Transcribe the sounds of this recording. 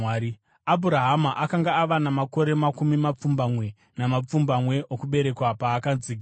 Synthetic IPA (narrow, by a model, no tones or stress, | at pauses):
ɾi | abʱuɾaɦamaʔakaŋɡaːʋanamako̞ɾe̞makumimap͡fumbamwe̞ | namap͡fumbamwe̞ʔokuɓe̞ɾe̞kwapaːkad͡ziɡʱia